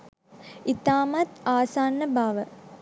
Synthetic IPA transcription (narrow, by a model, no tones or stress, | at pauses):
it̪aːmat̪aːsaːnːəbaːʋə